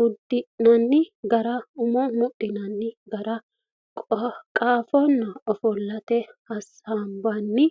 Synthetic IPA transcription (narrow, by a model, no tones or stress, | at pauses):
ʊd̪ɪʔnɐnːɪɡɐɾɐʊmɔmɔʔɪnɐnːɪɡɐɾɐ | kʼkʼaːfɔnːɐɔfɔlːɐt̪ɛhɐs | aːmbɐnːɪ